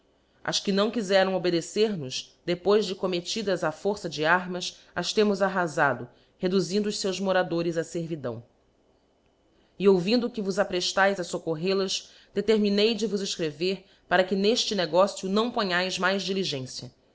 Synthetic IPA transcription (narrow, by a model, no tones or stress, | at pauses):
ɐ̰ʃkɪnɐ̃w̃kizɛɾɐ̃w̃obed̪eseɾnʊzd̪̥epojʒd͡ʒɪkomet͡ʃid̪ɐzafoɾsɐd͡ʒɪaɾmɐs | ɐʃt̪ẽmʊzaɦazad̪ʊ | hed̪uzĩnd̪ʊːʃsewzmoɾad̪oɾɪzɐseɾvid̪ɐ̰̃w̃ | ɪowvĩnd̪ʊkɪvʊzapɾeʃt̪ajzɐsokoɦelɐʃ | d̪̥et̪eɾminejd͡ʒɪvʊzeʃkɾeveɾ | paɾɐkɪneʃt͡ʃɪneɡɔsjʊnɐ̃w̃põɲajzmajzd͡ʒiliʒẽsjɐ